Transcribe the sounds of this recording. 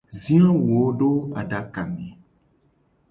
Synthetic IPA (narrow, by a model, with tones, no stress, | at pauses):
zĩ˦ã˦wo˨˦ɖo˦a˨ɖa˨ka˨mẽ˨